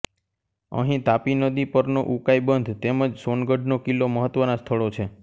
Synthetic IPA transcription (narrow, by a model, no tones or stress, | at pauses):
ə̰ɦĩt̪apinəd̪ipəɾnoʔukaibənd̪ʱt̪eməd͡ʒsonɡəɖnokilːoməɦət̪ʋənast̪ʰəɭot͡ʃʰe